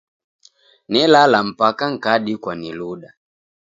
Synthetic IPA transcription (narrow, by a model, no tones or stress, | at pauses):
nɛlalam̩pakaŋ̩kaɗikwaniluɗa